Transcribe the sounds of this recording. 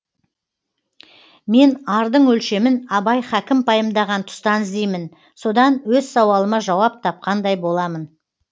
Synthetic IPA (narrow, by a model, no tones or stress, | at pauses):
me̞nɑɾd̪əɴwɵlʃe̞mɪnɑbɑjχækʲɪmpʰɑjəmd̪ɑʁɑnt̪ʰʊ̥st̪ɑnəzd̪ejmɪn | so̞d̪ɑnwɵzsɑwɑlˠəmɑʒɑwɑp̚t̪ʰɑp̚qɑnd̪ɑjbo̞lˠɑmən